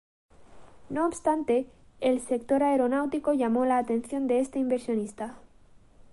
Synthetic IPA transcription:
no̞ːpst̪ant̪e̞ː | lse̞k̚t̪o̞ɾaeɾo̞nawt̪iko̞ʝamo̞laːt̪e̞n̟θjo̞nd̪e̞est̪eimbe̞ɾsjo̞nist̪a

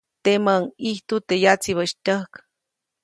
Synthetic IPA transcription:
t̪emaŋiht̪ut̪ejat͡siβəʃt̪əhk

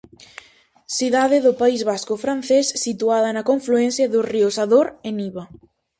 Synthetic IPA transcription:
siðaðeðʊpaizβaskʊfɾan̟θesːit̪uað̞ɐnɐkoɱfluɛn̟θjaðʊriʊsaðoɾeniβa

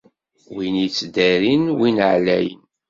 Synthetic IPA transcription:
winit͡sːd̪æɾinwinʕlæ̰jə̰n

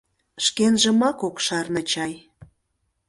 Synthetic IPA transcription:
ʃkenʒə̆mɑkokʃɑrnɤ̆t͡ɕɑj

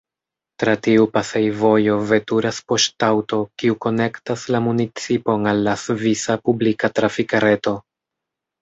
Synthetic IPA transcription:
tɾatiupasejvo̞jo̞ve̞tuɾaspo̞ʃtawto̞kiuko̞ne̞ktaslamunit͡sipo̞nalːasvisapublikatɾafikaɾe̞to̞

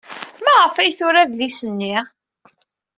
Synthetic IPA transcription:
mæʁəfæjθʊɾæðlisənːi

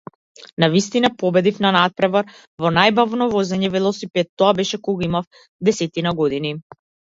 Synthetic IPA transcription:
navist̪inapɔbɛd̪ifnanat̪̚pɾɛvaɾ | vɔnajbavnɔvɔzɛɲɛvɛlˠɔsipɛt̪ːɔabɛʃɛkɔɡaimaf | d̪ɛsɛt̪inaɡɔd̪ini

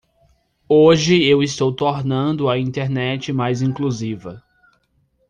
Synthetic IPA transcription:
oʒɪewɪst̪owt̪oɾnɐ̃nd̪ʊɐĩnt̪eɾnɛt͡ʃɪmajzĩŋkluzivɐ

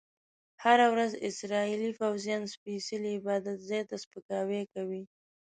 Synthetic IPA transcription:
haɾawɾazɪ̰sɾɑilifawzijɑnspisiliɪbɑd̪at̪zɑjt̪aspəkɑwekawi

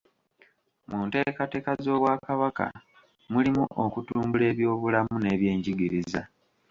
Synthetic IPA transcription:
munte̞ːkate̞ːkazo̞ːβwaːkaβaka̰ | mulimuʔokutuːmbule̞ːβjo̞ːβulamune̞ːβje̞ːɲɟiɡiɾiza̰

